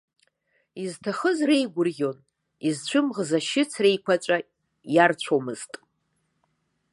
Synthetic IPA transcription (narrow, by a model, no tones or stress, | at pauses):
iztʰaχəzrejɡʷʊrɡʲo̞n | izt͡ɕʷʰɨmʁzaʃɪt͡sʰre̞jkʷʰat͡ʃʷʼa | jart͡ɕʷʰomɨz̥tʼ